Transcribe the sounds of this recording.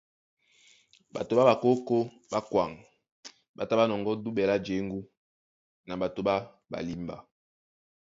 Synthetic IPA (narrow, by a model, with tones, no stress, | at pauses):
ba̰˨to˨ba˦ba˨ko˦ko˦ | ba˦kwa˨ŋ | ba˨ta˦ba˦nɔ˨ŋɡɔ˦du˦ɓɛ˨la˦d͡ʒe˨˦ŋɡu˦ | na˨ba˨to˨ɓa˦ | ba̰˨li˦mba̰˨